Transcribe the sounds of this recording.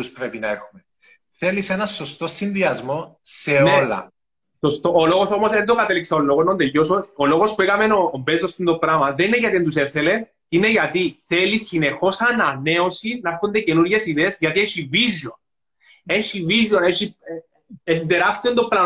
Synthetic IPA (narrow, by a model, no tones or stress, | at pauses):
uspɾepinɐexume | θelisenɐsost̪osːinðiɐzmoseneolɐ̰ | sost̪oːloɣoso̞mosend̪oɡat̪elːikseolːoɣonond̪ejosooloɣospuekame̞noːmbezost̪ind̪opɾamɐðenineʝat̪iend̪useθele | ineʝɐt̪iθelisine̞xo̞sanane̞osinɐeɾxond̪ecenuɾʝe̞siðeːsʝɐt̪ieʃivizjon | eʃivizjoneʃi | end̪eɾast̪ind̪opɾa